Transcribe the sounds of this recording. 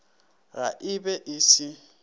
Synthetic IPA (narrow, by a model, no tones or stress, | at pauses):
ra̰ʔɪbɛʔɪsɪ